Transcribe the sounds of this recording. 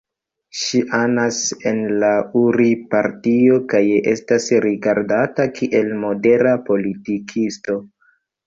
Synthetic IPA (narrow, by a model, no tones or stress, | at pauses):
ʃiʔanase̞nlauɾipaɾtio̞kaje̞̰stasɾiɡaɾdatakʰiʔe̞lmo̞de̞ɾapo̞litikʰisto̞